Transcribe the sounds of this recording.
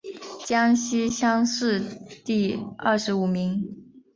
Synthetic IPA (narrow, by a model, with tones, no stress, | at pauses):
t͡ɕjɑ˥ŋɕi˥ɕjɑ˥ŋʂɻ̩˥˧t̪i˥˧ɐ˥˩ʂɻ̩˧˥u˨˩mi˧˥ŋ